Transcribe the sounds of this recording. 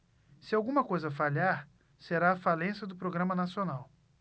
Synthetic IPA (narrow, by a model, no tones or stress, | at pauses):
sɪawɡũmɐkojzɐfaʎaɾ | seɾaːfalẽsɐd̪ʊpɾoɡɾɐ̃mɐnasionaw